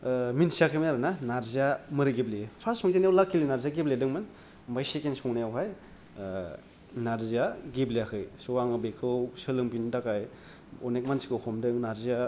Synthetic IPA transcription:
minsiakʰɯminaɾananaɾziamɯɾɯɡiblipʰaɾsɔŋzenjawlakʰːilinaɾzaɡibledɯŋmɯn | mbajsekensɔŋnajawɦaj | naɾziaɡiblijakʰɯjsowaŋɯbekʰɯwsɯlɯŋpindakaj | ɔnek̚mansi̥kɯkʰɔmdɯŋnaɾzia

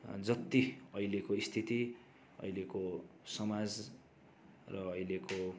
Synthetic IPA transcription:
d͡zʌt̪ːiʌjlekoist̪ʰit̪i | ʌ̰jlekosʌmad͡z | rʌːjleko

